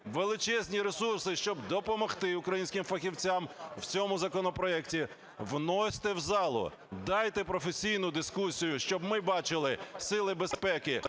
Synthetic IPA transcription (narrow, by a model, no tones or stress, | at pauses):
ʋelˠɪt͡ʃɛzʲnʲiɾesursɪʃt͡ʃɔbd̪ɔpɔmɔxt̪ɪʊkɾɐjinʲsʲkʲɪmfɐxʲiwt͡sʲamw̥t͡sʲɔmʊzɐkɔnɔpɾɔɛktʲi | ʋnɔsʲt̪ɛwzɑlˠʊ̰ | d̪ɑjt̪ɛpɾɔfesʲijnʊd̪ɪskusʲijʊʃt͡ʃɔbmɪbɑt͡ʃɪlˠɪsɪlˠɪbespɛkɪ